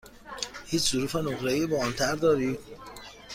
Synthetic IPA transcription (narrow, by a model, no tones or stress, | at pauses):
hiːt͡ʃʰzʊɾuːfenoχɾeiːbɒnt̪ʰæɾd̪ɒːɾiː